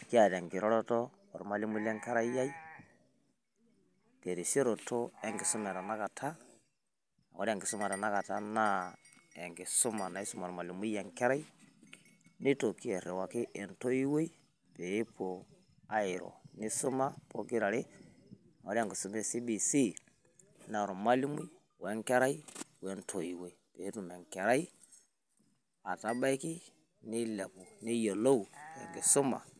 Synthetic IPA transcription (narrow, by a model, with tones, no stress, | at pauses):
ki˦a˦˨ɾa˨ŋɡɪ˨ɾɔ˦ɾɔ˦tɔː˦˨ | ɾu˨ma˨li˦mu˦le˦ŋka˦ɾa˦i˦ja˦i˦ | te˨ɾi˨sjo˦ɾo˨to˦ɛ˦ŋɡi˨su˦mɛ˨ɾa˨na˦ka˨tʰa˦ | a˨ko˦ɾi˦a˨ŋɡi˨su˦ma˨ɾa˨na˦ka˨ta˦na˦ | e˨ŋɡi˨su˦ma˨na˨i˦su˦ma˨ɾu˨ma˨li˨mi˦ja˨ŋke˦ɾa˦i˦ | ni˦to˨ki˦ɛ˨ɾɛ˨wa˨ki˦ʔe˨nto˦i˦we˦i˦ | pe˨˦pʰo˨ | a˦i˨ɾɔ̰˨ni˦su˦ma˦po˦ɡi˦ɾa˨ɾi˦ | o˨ɾa˨ŋɡi˨su˨me˦si˦bi˨si˦ | na˨ɾo˨ma˦li˦mu˦ | we˦ŋke˦ɾa˦i˦wɛ˨ntʰo˨ji˨we˦i˦˨pe˨˦tu˨me˨ŋkɛ˨ɾa˦i˦ | a˨ta˦ba˦i˦ki˦ | ni˦le˨pu˨ni˦jo˨lo˦u˨ja̰˨ŋɡi˨su˦ma̰˨